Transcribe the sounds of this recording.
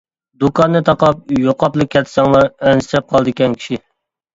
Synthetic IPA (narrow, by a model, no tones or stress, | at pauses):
d̪ukɑnːɨt̪ʰɑqɑp̚joqʰɑplˠɨkʲʰːɛt̪ʰːɪ̥sɑŋlˠɑɾɛnst̪ɾɛp̚qʰɑlˠd̪ɨkʲɛnkʲʰi̥ʃi